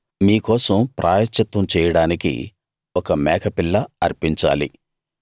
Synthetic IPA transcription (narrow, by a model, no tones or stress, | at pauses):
miːkɔːsɐmpɾʔaːjɐt͡ʃːɐt̪wɐmt͡ʃɛːjɐɽaːnikḭ | ɔkɐmɛːkʰɐpilːɐɐ̰ɾpiɲt͡ʃa̰ːlḭ